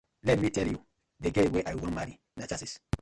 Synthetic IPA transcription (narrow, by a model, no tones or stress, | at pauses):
lɛt̚mitɛlju | deɡeweʔajwɔ̃nmaɾi | nat͡ʃasis